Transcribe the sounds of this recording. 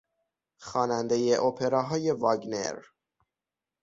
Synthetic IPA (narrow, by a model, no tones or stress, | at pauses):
xɒːnænd̪e̞jeʔopʰeɾɒːɦɒːje̞vɒɡnḛɾ